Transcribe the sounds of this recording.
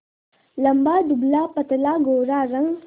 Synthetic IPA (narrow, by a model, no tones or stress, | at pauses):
lambaːd̪ublaːpat̪laːɡoɾaɾaŋ